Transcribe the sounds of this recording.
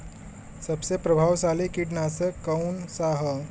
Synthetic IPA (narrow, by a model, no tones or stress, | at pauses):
səbsepɾəbʱaʋsalikiʈnasəkːəwnsaɦə